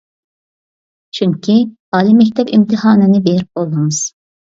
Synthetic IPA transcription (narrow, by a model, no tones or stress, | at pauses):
t͡ʃʰyŋkʲʰi | ɑːlˠimɛk̬̚ʲt̪ʰɛpḭmt̪ʰɪhɑːnɨnɪbeɾip̚olˠumɨz̥